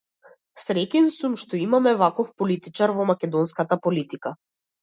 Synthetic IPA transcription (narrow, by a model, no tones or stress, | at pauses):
sɾɛkʲɛnsumʃt̪ɔimamɛvakɔfpɔlit̪it͡ʃaɾvɔmakʲɛd̪ɔnskat̪apɔlit̪ika